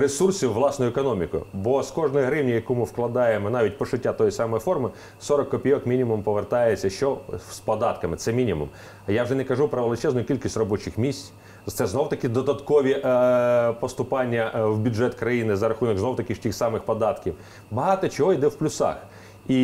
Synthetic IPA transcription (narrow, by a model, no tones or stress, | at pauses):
ɾesursʲiwːlˠɑsnʊjʊekɔnɔmʲikʊ̰jʊ̰bɔskɔʐnɔjiɦɾɪwnʲijɐkumɪwklˠɐd̪ɑjemɔnɑʋʲit̚ʲpɔʃɪtʲːat̪ɔjisɑmɔjifɔrmɪ | sɔɾɔkːɔpʲijɔkmʲinʲimʊmpɔʋert̪ɑjet͡sʲːɐʃt͡ʃɔspɔd̪ɑt̪kɐmɪt̪sɛmʲinʲimṵm | jawʐɛnɛkɐʒupɾɐʋlˠɪt͡ʃɛznʊjʊkʲilʲkʲisʲtʲrɔbɔt͡ʃɪxmʲisʲtʲ | t̪sɛznɔwt̪ɐkɪd̪ɔd̪ɐt̪kɔʋʲi | pɔst̪ʊpɑnʲːɐwbʲʊdʐɛt̪kɾɐjinɪzɐɾɐxunɔɡznɔwt̪ɐkʲɪʃtʲixsɑmɪxpɔd̪ɑt̪kʲiw | bɐɦɑt̪ɔt͡ʃɔɦɔid̪ɛwplʲʊsɑ̰x | i